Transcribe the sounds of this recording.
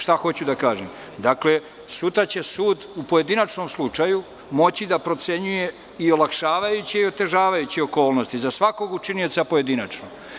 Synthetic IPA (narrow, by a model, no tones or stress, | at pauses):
ʃt̪axo̞t͡ɕud̪akaːʒḛm | d̪akle̞ | sut̪ɾat͡ɕe̞suːd̪upo̞je̞d̪inat͡ʃnomslˠut͡ʂaju | mo̞t͡ɕid̪apɾo̞t̪se̞ɲuje̞ | iolˠakʃaːʋajut͡ɕiio̞t̪e̞ʒaːʋajut͡ɕio̞ko̞ːlno̞st̪izasʋako̞ɡut͡ʃinio̞t̪sapo̞jed̪inat͡ʂno